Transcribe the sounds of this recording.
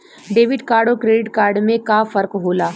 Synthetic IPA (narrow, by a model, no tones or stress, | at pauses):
ɖeːʋɪɖkaːɾɖokɾeːɖɪʈkaːɾɖmẽkafɐɾkɦoːlaː